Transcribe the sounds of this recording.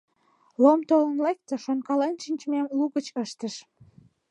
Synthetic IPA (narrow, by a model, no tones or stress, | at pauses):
lomt̪olənlek̚t̪əʃonkɑlenʃinʲt͡ɕmɑmluɣət͡ɕəʃt̪əʃ